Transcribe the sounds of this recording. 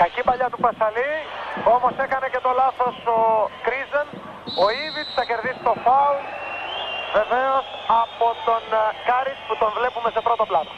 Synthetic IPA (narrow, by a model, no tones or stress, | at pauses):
kɐcipɐʎɐt̪upɐsɐlio̞mo̞se̞kɐnece̞t̪o̞lɐθo̞sokɾizen | oivist̪ɐce̞ɾðist̪o̞fɐu | ve̞ve̞o̞sɐpot̪o̞nkɐɾitput̪oɱvle̞pumesepɾo̞t̪oplɐðo